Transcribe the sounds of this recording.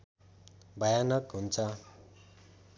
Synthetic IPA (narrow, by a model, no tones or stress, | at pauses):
bʌjanʌkɦunt͡sʰʌ